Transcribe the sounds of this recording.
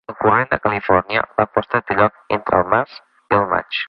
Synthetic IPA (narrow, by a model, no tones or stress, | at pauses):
əlˠkurend̪əkəlifɔrniə̰bapɔst̪at̪əʎɔk̚ent̪ɾə̰ːlˠmaz | iəlˠma̰t͡ʃ